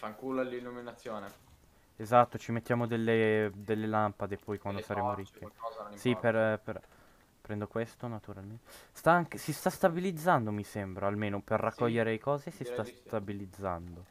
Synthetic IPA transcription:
faŋkuːlalːilːuminat̪sːjoːne | ezat̪ːot͡ʃimet̪ːjaːmod̪elːed̪elːelampad̪epʰɔjkwand̪osaɾeːmoɾikːeɔsiperper | pɾɛnd̪okwest̪onat̪uɾalment̪st̪aaŋkesist̪ast̪abilid̪zːand̪omisɛmbɾaalmeːnoperːakːɔʎːeɾeekɔːzesist̪ast̪abilid̪zːa̰nd̪o

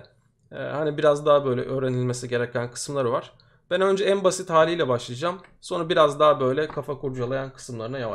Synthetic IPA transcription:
ɛ̰ːhanibiɾazd̪aɦabø̞jlʲɛ̰ʔø̞ːɾe̞nilʲme̞siɟe̞ɾɛcʰænkʰɯ̥sɯmlˠaɾɯvaɾ̥ | b̥ænø̞nd͡ʒɛænbasit̪haːlʲijlʲɛbaʃlˠɯjad͡ʒam | so̞nabiɾazd̪aɦabø̞jlʲɛkʰafakuɾd͡ʒalˠajankʰɯ̥sɯmlˠaɾɯnajava

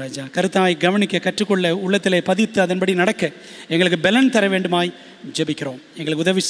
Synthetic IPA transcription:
aːd͡ʒaːkɐɾɯt̪ːaːjɡɐʋɐnɪkʲːɐkɐʈrɯkːɔɭːɐʊɭːɐt̪ːɪleːpɐðɪt̪ːɯɐðɐnbɐɽinɐɽɐkːɐ | ɛŋɡɐɭɯkːɯbɛlɐnt̪ɐɾɐʋeːɳɖɯmaːji | d͡ʒɛbɪkʲːɪɾoːmɛŋɡɐɭɯkːɯʊðɐʋɪ

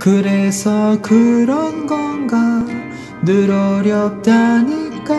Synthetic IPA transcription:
kɯɾesʰʌkɯɾʌnɡʌnɡa | nɯɾʌɾjʌp̚t͈aɲik͈a

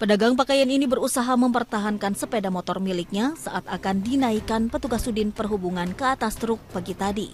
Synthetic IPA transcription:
pədaɡaŋp̬akajaninibəɾusaɦaməmpərt̪aɦankansəpedamɔt̪ɔrmilɪk̚ɲasaʔat̪akandinaikanpət̪uɡasudɪnpərɦubuŋankəat̪ast̪ɾʊk̚paɡit̪adḭ

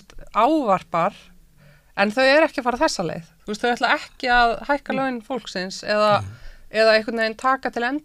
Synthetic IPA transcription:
t̪aːwvar̥paɾ̥ | ɛnθœɥɛɾɛhcɪfaːɾaθɛsːalḛjθθuːst̪θœɥɾvɛt̪laɛhcɪaðhajhkalœnfowl̥ksɪnsɛðaɛðaehkʏt̪neːjnt̪ʰaːkat̪ʰɪlɛnt̪

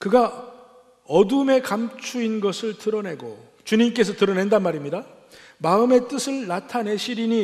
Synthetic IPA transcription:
kɯɡa | ʌdume̞kamt͡ɕʰuinɡʌsʰɯɭtɯɾʌne̞ɡo̰ | t͡ɕuɲimk͈e̞s̬ʰʌtɯɾʌne̞ndanmaɾimɲida | maɯme̞t͈ɯsʰɯɭnatʰane̞ɕʰiɾiɲi

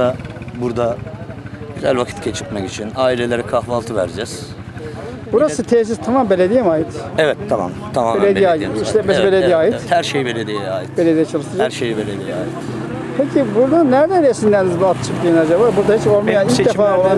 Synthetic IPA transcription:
abuɾd̪a | ɟyzæ̰lʲvakʰit̪cʰet͡ʃʰɯ̥kmakit͡ʃʰinaːilʲelʲeɾɛkʰahvalˠt̪ʰɯvæ̰ɾd͡ʒɛz̥ | buɾassɯt̪ʰeːs̬izt̪ʰamambelʲed̪ijɛmaːjit̪ɛvɛt̪ʰːama̰mt̪ʰamaːmbeledijaːj̪iʃlɛmɛsbelʲed̪ijaːjitɛhæɾʃejibelʲed̪ijɛaːjit̪b̥elʲed̪ijɛt͡ʃʰalˠɯʃt̪ɯɾd͡ʒaæɾʃejibelʲed̪ijɛa̰ːjit̪ | pʰecʰibuɾd̪anæɾd̪ænesinæɾnizbuat̪t͡ʃʰɯkt̪ɯjnad͡ʒabaːbuɾd̪ahit͡ʃolˠmajaniid̪efaːolˠad̪

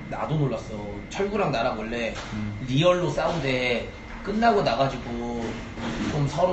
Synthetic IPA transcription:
na̰donoɭːas͈ʌ | t͡ɕʰʌɭɡuɾaŋnaɾawʌɭːe̞ɾiʌɭːos͈aunde̞ | k͈ɯnːaɡonaɡad͡ʑiɡo | t͡ɕomsʰʌɾo

